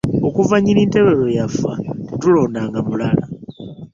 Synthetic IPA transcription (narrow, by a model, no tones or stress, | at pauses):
okuvaɲiliːnteβelojafa̰tulo̞naːŋɡamulala